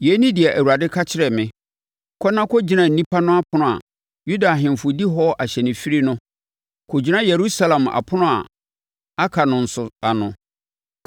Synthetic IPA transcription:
je˨˦nĩ˦dɪ˨ɛ˨ʔæ˨wu˨ɾa˨dɪ˦kʰa˦t͡ɕʰɪ˦ɾɛ˨mɪ̃˦ | kʰɔ˦nã˦kʰɔ˦d͡ʑi˨˦nã˨n̩˨nĩ˦pʰa˦nʊ̃˦a˦pʰʊ˨˦nʊ̃˨a̰˨ | ju˦da˨ɦɪ̃˨m˨fʊ˨di˦ɦɔ˦ʔa˨ɕɛ˨nɪ̃˨fi˦ɾi˦nʊ̃˦ | kʰo˨d͡ʑi˦nã˦je˨ɾu˦sa˦lã˨ma̰˨pʰʊ˦nʊ̃˦a˨ | a˦kʰa˨nʊ̃˨n̩˨sʊ˨a˨nʊ̃˨

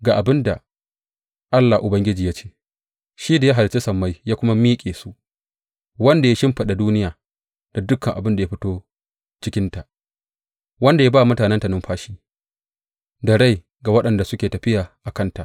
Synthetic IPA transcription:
ɡaː˨ʔa˨bɪ˦nda˨ | ʔa˦lːaː˨ʔʊ˨bɐ˦ŋɡʲɪ˦d͡ʒiː˨ja˦t͡ʃe̥ː˦ | ʃiː˦da˨ja˦ɦa˨lt͡ʃe˦sɐ˨mːa˦jjaː˦kʷʊ˦ma˦miː˦kʲʼeː˨su˦ʔ | wɐ˦nda˨ja˦ʃɪ˦mɸɐ˨ɗa˨duː˦nɪ˦jaː˨ | d̥a˨dʊ˦kʰːɐ˨ŋʔa̰˨bɪ˦nda˨ja˦ɸɪ˦toː˦ | t͡ʃɪ˦kʲɪ˦nta˨ʔ | wɐ˦nda˨jaː˦baː˦˨mʊ˦taː˨nɛ˦nta˨nɪ˦mɸaː˦ʃiː˦ | dɐ˨ɽa˦˨j | ɡa˨wɐ˦ɗɐ˨nda˨sʊ˦kʲeː˨tɐ˨ɸɪ˦jaː˨ʔa˨kɐ˦nta˨ʔ

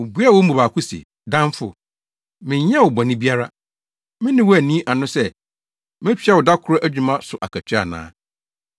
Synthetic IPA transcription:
ʊ˨bu˦a˦wɔ˦m̩˦u˨a˨kʰʊ˦sḭ˨ | dã˦ɱ˦fʊ̰˨ | mɪ̃˨ɲɛ̃˦wʊ˨bɔ̃˨nɪ̃˦bi˦a˦ɾa˦ | mɪ̃˦nɪ̃˦wɔ˦æ˨nĩ˦ʔa˨nʊ̃˦sɛ˦ | mɪ̃˦t͡ɕᶣɛ˦wɔ˨da˦kʰʊ˦ɾɔ˦ʔæ˦d͡ʑᶣu˨mã˦sʊ˨ʔa̰˨kʰæ˨t͡ɕʰᶣɪ˦a̰˨nã̰ː˦

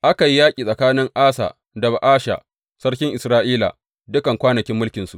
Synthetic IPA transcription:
ʔa˦ka˨ji˦jaː˦kʲʼiː˨sʼɐ˨kaː˦nɪ˦ŋʔaː˦sa̰ː˨ | dɐ˨ba˨ʔaː˦ʃa̰˨ | sɐ˦ɽkʲɪ˦ŋʔɪ˨sɾaː˦ʔiː˦la̰˨ | dʊ˦kɐ˨ŋkʷaː˦nɐ˨kʲɪ˦mːʊ˦lkʲɪ˨nsṵ˨ʔ

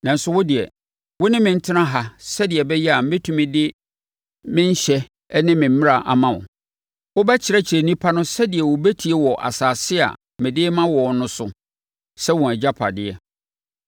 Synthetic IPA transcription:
nã˨n̩˦sʊ˦wʊ˦dɪ˨ɛ̰˨ | wʊ˦nɪ̃˦mɪ̃˨n̩˦tʰɪ˦nã˦ɦa˨sɛ˦dɪ˨ɛ˨bɛ˦jɛ˦a˨m̩˦bɪ̃˦tʰũ˦mɪ̃˦dɪ˦ | mɪ̃˦ɲ̩˦ɕɛ˦ | nɪ̃˦mɪ̃˨m̩˦mɪ̃˦ɾa˨ʔa˨mã˨ʊ̰˨ | wʊ˦bɛ˦t͡ɕʰɪ˨ɾɛ˦t͡ɕʰɪ˨ɾe˨nĩ˦pʰa˦nʊ̃˦sɛ˦dɪ˨ɛ˨wʊ˨bæ˦tʰi˨˦ɛ˦wɔ˨ʔa̰˨saː˨sɪ˦a̰˨ | mɪ̃˨dɪː˦mã˦wɔ˨nʊ̃˦sʊ˨ | sɛ˦wɔ̃˨æ˨d͡ʑa˦pʰa̰˨dɪ˨ɛ˨

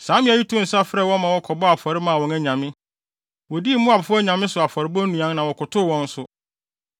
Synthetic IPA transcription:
sã˨˦mɪ̃˦a˨ji˦tʰʊ˦n̩˨sa˦fɾɛ˦˨wɔ̃˦mã˨wɔ˦kʰɔ˨bɔ˦a˨fɔ˨ɾɪ˦mã˨wɔ̃˨næ˨ɲã˨mɪ̃˦ | wɔ˨di˦mʊ̃˦a˨bʊ˨fæ˦ɲã˨mɪ̃˦sʊ˨a˨fɔ˨ɾɪ˨bɔ˦nũ˨ã˦nnã˨wɔ˨kʰʊ˨tʰʊ˦˨wɔ̃˦n̩˦sʊ˦

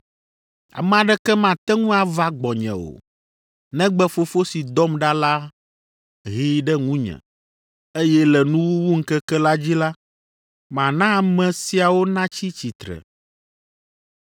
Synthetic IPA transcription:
a̰˨mɛ̃˨ã˨ɖɛ˦kɛ˦mã˨t̪ɛ˦ŋũ˦a˨va˦ɡ͡bɔ˨ɲɛ̰̃˨wo̰˨ | nɛ̃˦ɡ͡bɛ˦fo˦fo˦si˨d̪ɔ˦mɖa˦la˦ | ɦi˦ɖɛ˦ŋũ˦ɲɛ̰̃˨ | e˦jɛ˦lɛ˨nũ˦wu˦wu˦ŋ̩˦kɛ˦kɛ˦la˦d͡ʑi˦la˦ | mã˨nã˦˨mɛ̃˨si˨a˨wo˦nã˦t͡ɕi˦t͡ɕi˨t̪ɾɛ̰˨

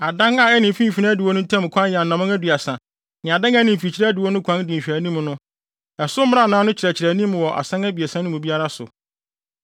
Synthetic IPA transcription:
a˨dã˦ŋa˨ɛ˦nɪ̃˨m˨fĩ˦˨fi˨˦ã˦dɪ˨wɔ˦nʊ̃˦tʰã˦m˨kʷʰã˦njɛ˨nːã˨mã˦ŋæ˦du˨a˨sã˨ | nɪ̃˨a˨dã˦ŋæ˦nɪ̃˨m˨fi˨t͡ɕʰi˦ɾɛ˦æ˦dɪ˨wɔ˦nʊ̃˦kʷʰã˦n˦dĩ˨ɕᶣæ˨nĩ˦m˦nʊ̃˦ | ɛ˨sʊ˦m˦m˦a˦˨nãː˦nʊ̃˦t͡ɕʰɾæ˨t͡ɕʰɪ˨ɾæ˨nĩ˦m˨wɔ˨ʔa̰˨sã˦ŋæ˦bi˨ɛ˨sã˦nʊ̃˦mũ˨bi˦a˦ɾa˦sʊ̰˨

